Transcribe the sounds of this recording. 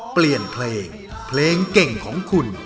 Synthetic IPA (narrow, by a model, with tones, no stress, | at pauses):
pli˨˩ənpʰleː˧ŋ | pʰleː˧ŋke˨˩ŋkʰɔː˩˦ŋkʰu˧n